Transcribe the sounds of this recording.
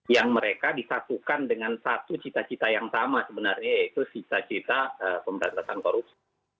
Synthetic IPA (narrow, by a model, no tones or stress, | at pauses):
jaŋməɾekadisat̪ukandəŋansat̪ut͡ʃit̪at͡ʃit̪ajaŋsamasəbənarɲajit̪usit̪at͡ʃit̪aəpəməɾa̰nt̪asankoɾup̚si